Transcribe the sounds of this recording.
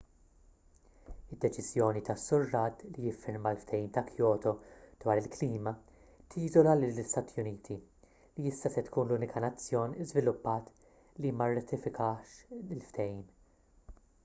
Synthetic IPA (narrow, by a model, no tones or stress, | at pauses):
ɪd̪ːɛt͡ʃɪzjɔːnit̪ɐsːʊrːɐːd̪lijɪfːɪɾmɐlft̪ʰɛjiːmt̪ɐkʰjɔːt̪ɔd̪̥wɐːɾɪlkliːmɐ | t̪ʰiːzɔlɐlɪlːɪst̪ɐːt̪ijʊniːt̪ʰi | liɪsːɐsɛt̪kuːnluːnɪkʰɐnɐt͡sːjɔːnzvɪlʊpːɐːt̪ | limɐrːɐt̪ɪfɪkʰɐːʃɪlft̪ʰɛjiːm